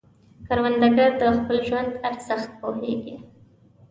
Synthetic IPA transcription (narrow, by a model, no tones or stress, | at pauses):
kaɾwand̪aɡaɾd̪əxpəlʒwand̪aɾzaxt̪̚pohḛɡi